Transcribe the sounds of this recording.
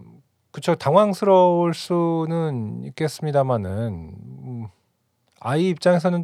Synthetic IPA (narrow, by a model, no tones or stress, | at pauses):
kɯt͡ɕʰotaŋwaŋsʰɯɾʌoɭs͈unɯnik͈e̞s͈ɯmɲidamanɯn | aiːp̚t͡ɕ͈aŋe̞s̬ʰʌnɯn